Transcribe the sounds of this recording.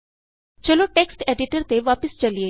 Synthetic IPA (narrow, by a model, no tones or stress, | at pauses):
t͡ʃəloːʈeːksʈeːɖɪʈəɾt̪eʋaːpəst͡ʃəlie